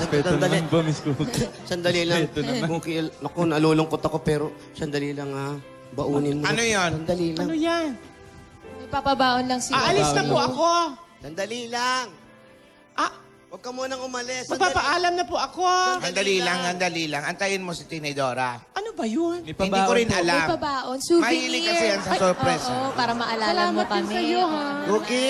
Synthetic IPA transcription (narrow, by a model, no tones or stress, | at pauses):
ɐsɐɐlbɐmɪsktsɐnd̪ɐlilɐŋt̪buːkɪɐkonɐluːlʊŋkot̪ɐko̞pɛːɾo̞ | sɐnd̪ɐlilɐŋa | bɐʔuːnɪnmoɐnojonsɐnd̪ɐliːlɐŋojan | nɐjpapabaːʔonlɐŋsɪaʔɐlɪsnɐpʊʔɐkosɐnd̪ɐlilaŋ | ʔa | wɐɡ̚kɐmuːnɐŋʊmɐlɛsmɐɡ̚paːpɐʔaːlɐmnɐpʊʔɐkosɐnd̪ɐliːlɐŋɐnd̪ɐlilɐŋɐnt̪ɐjɪnmosɪt̪ɛnɛd̪oːɾaʔɐnobɐjʊnpaɪnb̪ikoɾɪnʔɐlampabaːʔonsuːmɐhiːlɪkɐsɛjansɐsɔpɾɛspaːɾɐmɐʔɐlaːɐlaːmɐt̪̚ʊŋsɐjoɦa | oːkɪ